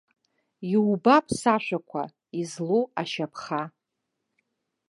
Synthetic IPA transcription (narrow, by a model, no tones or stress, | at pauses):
iwbapʰsaʃʷᶣakʷʰa̰ | izloaʃapʰχa